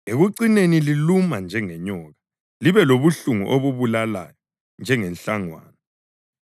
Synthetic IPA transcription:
eɣuǀinenililumand͡ʒʱɛŋɛɲɔːɣa | liβɛloβuɬuŋṵʔoβuβulala̰jɔ | nd͡ʒʱɛŋɛnɬaŋwa̰ːna

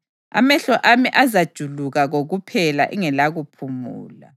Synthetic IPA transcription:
a̰mɛɬɔʔamiʔazad̥ʒ̥ʱuluɣaɣoɣupʰɛlaʔiŋɛlaɣupʰumuːla̰

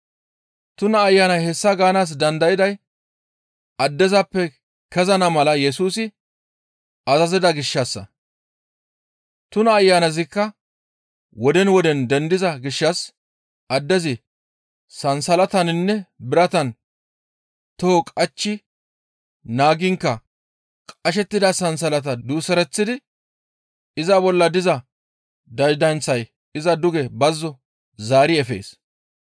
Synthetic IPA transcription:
t̪ʊnɐːjːanɐjhɛsːɐɡaːnaːs̬d̪ɐnd̪ɐjɪd̪ɐj | ɐd̪ːɛzɐpːɛ | kɛzɐnɐmɐlɐjɛs̬uːsɪ | ɐzɐzɪd̪ɐɡɪʃːɐsːɐ̰ | t̪ʊnɐːjːanɐzɪkːɐ | wɔd̪ɛnwɔd̪ɛnd̪ɛnd̪ɪzɐɡɪʃːɐs | ɐd̪ːɛzɪ | sɐnsɐlɐt̪ɐnɪnːɛbɪɾɐt̪ɐn | t̪ɔhɔkʼɐt͡ʃːɪ | naːɡɪŋkːɐ | kʼɐʃ̬ɛt̪ːɪd̪ɐsɐns̬ɐlɐt̪̬ɐd̪uːsɛɾɛt͡sːɪd̪ɪ | ɪzɐbɔlːɐd̪ɪzɐ | d̪ɐjd̪ɐnt͡sːɐj | ɪzɐd̪ʊɡɛbɐzːɔ | zaːɾɪɛfḛːs

